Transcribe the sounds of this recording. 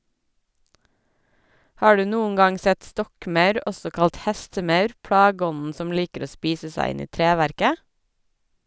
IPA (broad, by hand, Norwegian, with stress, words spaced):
ˈhɑː ˈɖʉː ˈnuːəŋ ˈɡɑŋ ˈsɛt ˈstɔkˌmœʉɾ ˈɔsɔ ˈkɑlt ˈhɛstəˌmœʉɾ ˈpɽɑːɡəˌɔnn̩ ˈsɔm ˈliːkəɾ ˈoː ˈspiːsə ˈsæɪ ˈɪn ˈiː ˈtɾeːʋæɾkə